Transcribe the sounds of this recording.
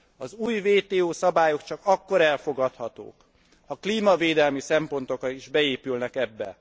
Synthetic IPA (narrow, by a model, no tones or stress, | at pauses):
ɒzuːjveːt̪eːoːsɒbaːjo̞kt͡ʃɒkɒkːo̞ɾɛlfo̞ɡɒt̪hɒt̪o̰ːk | hɒkliːmɒveːd̪ɛlmisɛmpo̞nt̪o̞kɒiʒbɛeːpylnɛkɛbːɛ̰